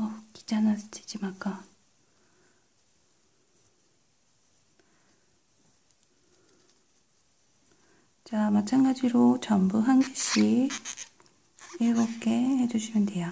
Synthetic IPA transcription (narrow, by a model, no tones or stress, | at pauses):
ʌki̥d͡ʑanat͡ɕʰi̥d͡ʑimak͈a | t͡ɕamat͡ɕʰanɡad͡ʑiɾot͡ɕʌmbuɦanɡiɕʰi | eɭɡok͈e̞he̞d͡ʑuɕʰimɯndeja